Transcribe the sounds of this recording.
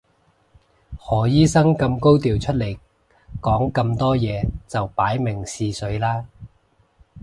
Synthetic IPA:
hɔː˨˩jiː˥sɐ˥ŋkɐ˧mko˥wt̪iː˨wt͡ʃʰɵ˥t̚le˨˩j | kɔː˨˥ŋkɐ˧mt̪ɔː˥jɛː˨˧t͡sɐ˨wpaː˨˥jmɪ˨˩ŋsiː˧sɵ˨˥ɥlaː˥

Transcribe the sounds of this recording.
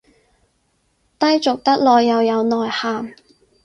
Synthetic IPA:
t̪ɐ˥jt͡sʊ˨k̚t̪ɐ˥k̚lɔː˨jːɐ˨˧wjɐ˨˧wnɔː˨˩jhaː˨m

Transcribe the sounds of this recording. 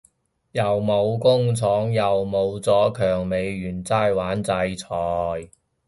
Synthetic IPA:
jɐ˨˩wmo˨˧wkʊ˥ŋt͡sʰɔː˨˥ŋjɐ˨wmo˨˧wt͡sɔː˨˥kʰœː˨˩ŋme˨˧jyː˨˩nt͡saː˥˩jwaː˨˥nt͡sɐ˧jt͡sʰɔː˨˩j

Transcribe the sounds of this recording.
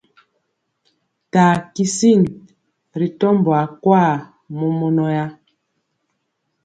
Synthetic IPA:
taː˨ki˦si˦˨n | ɾi˨tɔ˦mbɔ˨a˨kwa˦˨ | mɔ˦mɔ˦nɔ˦ja˦

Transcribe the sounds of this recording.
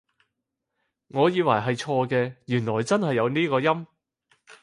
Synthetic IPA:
ŋɔː˨˧jiː˨˧wɐ̰˨˩jɦɐ˨jt͡ʃʰɔː˧kɛː˧jyː˨˩nlɔː˨˩jt͡sɐ˥nhɐ˨jːɐ˨˧wniː˥kɔː˧jɐ˥m

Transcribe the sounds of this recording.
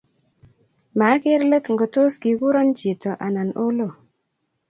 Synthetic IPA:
ma˨˦ke˦ɾlə˦tŋɡo˨to˦sɡi˨wu˦ɾɔ˦nd͡ʒi˨tɔ˨ʔa˨na˨no˦lo˦˨

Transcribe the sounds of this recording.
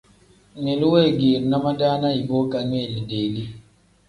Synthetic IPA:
ɲ˨e˨lu˦we˦˨ɡi˨ɾna˦ma˦da˦na˦i˨bo˦ka˦ɲwe˦˨li˨de˨li˦

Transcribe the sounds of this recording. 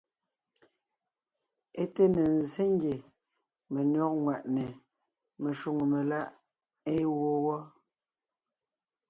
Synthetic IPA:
e˦te˦ne˨n˨ze˦ŋ˦ɡje˨ | me˨nɔ˦k̚ŋwa˨ʔne˨ | me˨ʃu˨ŋo˨me˨la˦ʔ | e˦wo˦wɔ˦

